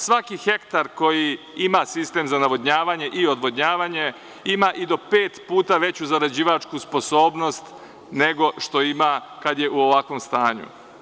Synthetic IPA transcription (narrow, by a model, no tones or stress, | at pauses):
sʋakixe̞kt̪aɾko̞ji | imasist̪e̞mzanaʋo̞d̪ɲaːʋaɲe̞ʔiod̪ʋo̞d̪ɲaːʋaɲe̞ | imaʔid̪o̞pe̞ːt̪puːt̪aʋe̞t͡ɕuzaɾad͡ʑiːʋat͡ʃkuspo̞so̞ːbno̞st̪ | ne̞ɡo̞ʃt̪o̞imakad̪je̞ʔuo̞ʋakʋo̞mst̪aːɲṵ